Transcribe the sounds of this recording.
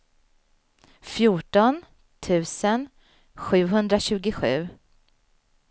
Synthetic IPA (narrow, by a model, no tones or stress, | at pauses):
fjuːʈɔn | t̪ʰʉ̟ːsən | ɧʉ̟ːɦɵnd̪ɾaɕʉ̟ːɡɪɧʉ̟ː